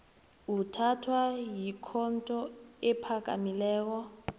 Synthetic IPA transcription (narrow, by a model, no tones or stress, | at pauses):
utʰatʰwajikʰɔntʼɔɛpʰakʼa̰milɛːk̬ɔ